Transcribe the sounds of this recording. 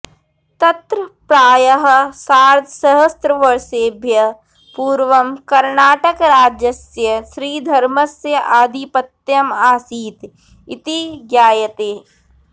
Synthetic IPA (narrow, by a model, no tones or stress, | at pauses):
t̪ɐt̪ɾəpɾaːjɐɦɐ̆saːɾd̪ʱsɐɦɐst̪ɾɐʋɐɾseːbʱjɐ | puːɾʋɐmkɐɾnaːʈɐkɾaːd͡ʒjɐsjɐʃɾiːd̪ʱɐɾmɐsjɐʔaːd̪ʱipɐt̪jɐmaːsiːt̪ | ɪt̪iɡjaːjɐt̪eː